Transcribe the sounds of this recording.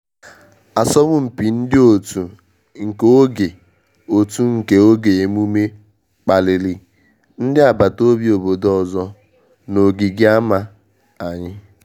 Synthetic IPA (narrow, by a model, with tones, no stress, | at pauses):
a˨sɔ˦mʊ˦m̩˨pi˨n̩˦dɪ˦o˨tu˨ | ŋ̩˨ko˦ɡe˨ | o˨tu˦ŋ̩˨ke˨o˦ɡe˨e˨m˦u˦me˦ | k͡pa˨li˨li˨ | n̩˦dɪ˦a˨ba˨to˦bi˦o˨bo˨dɔ˨zɔ˦ | no˨ɡi˨ɡɪ˦a˦ma˦ | a˨ɲɪ˦